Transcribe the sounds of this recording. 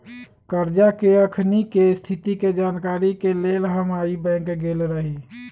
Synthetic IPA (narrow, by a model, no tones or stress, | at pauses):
kəɾd͡ʒakeəkʰnikest̪ʰit̪iked͡ʒaːnkaɾikelelɦəmaibɛ̃kɡelɾəɦi